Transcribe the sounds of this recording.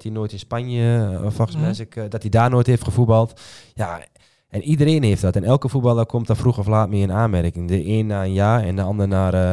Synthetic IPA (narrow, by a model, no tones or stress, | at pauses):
tinoːtɪnspanjəfɔxsmɛsəkdɔtidaːnoːtheftxəfubɔlˠtja | ɛnʔidərɾeːnheftdɔtɛnɛlˠkəfubɑlˠərkʰomtɔfruxɔflaːtmɪəənaːnmɛrkɪŋdəʔeːnːaənjaːɛ̰ndəɔndərnar